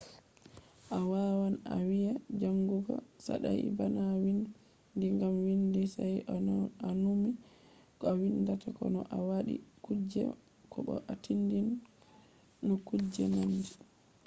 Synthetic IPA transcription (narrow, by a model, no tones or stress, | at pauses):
ʔawawana̰wijad͡ʒaŋɡuɡɔ̰sa̰ɗaj̰banawin | diŋɡamwindisajanumi | kawindatakɔ̰nɔʔawaɗḭkud͡ʒɛ̰ | kʰɔɓɔ̰ʔatindin | ɔkud͡ʒɛ̰mandi